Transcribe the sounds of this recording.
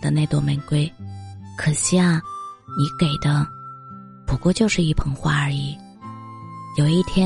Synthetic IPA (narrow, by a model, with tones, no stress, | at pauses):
d̪ə˧ne˥˧ɪt̪wɔ˥˩mɛ˧˥nkwe˥˩ɪkʰɤ˨˩ɕja˥˩ŋni˧˥ke˨˩ɪd̪ə˦ | pʰu˨˩˥kwɔ˥˧t͡ɕjo˥˧ʊʂɻ̩˥˧i˥˩pʰɤ˧˥ŋxwa˥˩ə˞˧i˨˧˩ | jo˨˩ʊi˥˩t̪ʰjɛ˥